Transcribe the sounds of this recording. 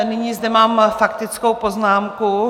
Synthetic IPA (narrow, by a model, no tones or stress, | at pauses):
nɪɲiːzdɛmaːmfakt̪ɪt͡skowpo̞znaːmku